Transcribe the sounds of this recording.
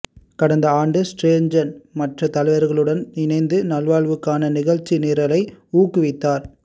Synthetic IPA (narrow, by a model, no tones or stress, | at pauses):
kɐɽɐnd̪ɐaːɳɖɯsʈɾeːɲd͡ʒɐnmɐʈrɐt̪ɐlɐɪʋɐɾɣɐɭɯɽɐnnɪnɐɪnd̪ɯnɐlʋaːɭʋɯkːaːnɐnɪɣɐɻt͡ʃːineːɾɐlɐɪuːkːɯʋɪt̪ːaːɾ